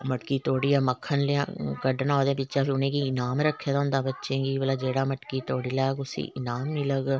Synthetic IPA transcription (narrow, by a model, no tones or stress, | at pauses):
məʈkiːt̪oːɽiːãːməkʰːənleã̰kəɖnɔːd̪ẽːpɪtːʃãːpʰːʊnẽːɡiɪnaːmɾəkʰːjeːd̪aʊ̃nd̪ãːbətːʃẽːɡiːbəlaːd͡ʒeːɽaːməʈkiːt̪oːɽiːlaːɡʊsḭːʔɪnaːmːɪləɡ